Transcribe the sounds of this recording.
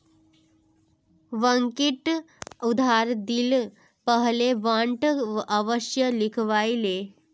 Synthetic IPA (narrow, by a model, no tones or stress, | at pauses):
ʋəŋkiʈ | ud̪ʱaɾd̪iːl | pəɦleʋãɳʈəʋəɕjəlikʰʋajle